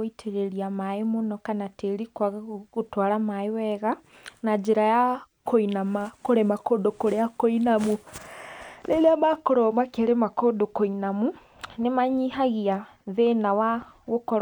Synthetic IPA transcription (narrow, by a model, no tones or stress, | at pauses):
itʰeɾeɾiamaemonɔkanateɾikwaɣɣotwaɾamaewɛɣa | nad͡ʒeɾaja | kʰoinamakoɾemakoːdokoɾeakoinamu | leleamakoɾɔmakeɾemakodokoinamu | nemaɲiɦaɣiaðenawa | ɣokɔɾ